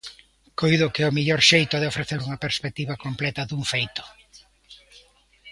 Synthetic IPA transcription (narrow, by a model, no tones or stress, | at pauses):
kojðʊkɪomiʎɔɾʃejt̪ʊðɪofɾeθeɾuŋɐpeɾspek̚t̪iβɐkomplɛt̪ɐðuŋfejt̪ʊ̥